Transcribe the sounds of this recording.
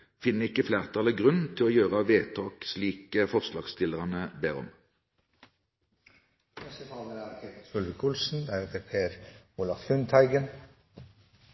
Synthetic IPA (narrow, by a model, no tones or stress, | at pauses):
fɪnːəɪkːəflæːʁt̪ʰɑːləɡʁʉnt̪ʰɪloːjøːʁəʋeːt̪ʰɑːksliːkəfɔʁslɑːɡst̪ɪləʁɑnəbeːʁɔ̰m | nɛst̪ət̪ʰɑːləæɾkʰet̪əsʉlʋəkʰʊlsn̩d̪æɾhɛt̪əɾpʰeːɾʊlɑflʉnt̪ʰæɪɡən